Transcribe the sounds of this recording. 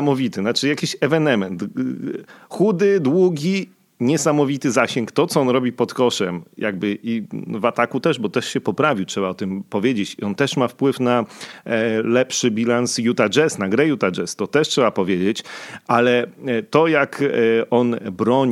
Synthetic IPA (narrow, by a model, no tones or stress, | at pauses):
amɔvʲit̪ɘnat͡ʂɘjakʲiɕɛvɛnɛmɛnt̪ | xud̪ɘd̪wuɡʲi | ɲɛsamɔvʲit̪ɘzaɕɛŋkt̪ɔt̪sɔɔnɾɔbʲipɔt̪kɔʂɛmjʔaɡ̚bɘʔivat̪akut̪ɛʐbɔt̪ɛʂɕɛpɔpɾavʲiwtʂɛbaɔt̪ɘmpɔvʲjed͡ʑet͡ɕiɔnt̪ɛʂmafpwɘfna | lɛpʂɘbʲilansjut̪ad͡ʐɛsnaɡɾɛjut̪ad͡ʐɛst̪ɔt̪ɛʂtʂɛbapɔvʲjed͡ʑet͡ɕalɛt̪ɔjakɔnbɾɔɲ